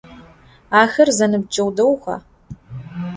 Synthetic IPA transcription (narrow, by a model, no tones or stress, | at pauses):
aːxɐrzɐnɨb̚d͡ʒʼɐwdɐwxʷɐ̰